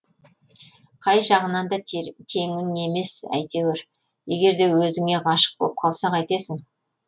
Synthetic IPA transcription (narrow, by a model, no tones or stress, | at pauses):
qʰɑjʒɑʁənɑnd̪ɑt̪ʰe̞ŋɪŋe̞me̞sæ̰jt̪e̞weɾ | je̞ɡʲe̞ɾd̪e̞wɵzɪŋe̞ʁɑʃə̥q̚bop̚qʰɑlˠsɑqɑjt̪esɪŋ